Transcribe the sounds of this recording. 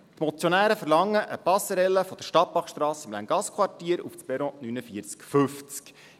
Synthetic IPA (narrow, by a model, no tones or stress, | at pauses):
t̪mɔt͡sjonæːɾəfərlɑŋːəʔəpɑsəɾɛlːəfɔd̥̪əʃtɑt̚pɑχʃt̪ɾɑːsɪmlæŋɡ̥ɑskʰwɑtiːəɾṵfspɛɾɔ̃nynəfiəɾt͡skføft͡sk